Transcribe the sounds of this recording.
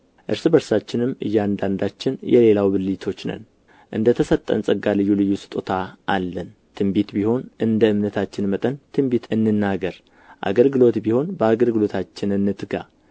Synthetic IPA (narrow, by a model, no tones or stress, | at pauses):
ʔɨɾsɨbəɾsat͡ʃːɪnɨmɨ̰jːand̪and̪at͡ʃːɪnjɛ̰le̞lawbɨlit̪ʰo̞t͡ʃːnə̰n | ʔɨ̰nd̪ət̪ʰəsət̪ʼːə̰nsʼəɡalɨjːulɨjːusɨ̥t̪ʼot̪ʰaʔalːən | t̪ʰɨmbit̪biho̞nʔɨnd̪əɨmnət̪ʰat͡ʃːɪnmət̪ʼənt̪ʰɨmbit̪ʰɨnːɨnːaɡəɾ | ʔa̰ɡəlɡɨlo̞t̪biho̞nbəaɡəlɡɨlo̞t̪ʰat͡ʃːɪnɨnːɨt̪ɡa̰